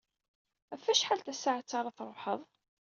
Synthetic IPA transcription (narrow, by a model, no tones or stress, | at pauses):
æfːæʃħalt̪æsaʕt͡sːɑɾˤɑθɾˤoħəðˤ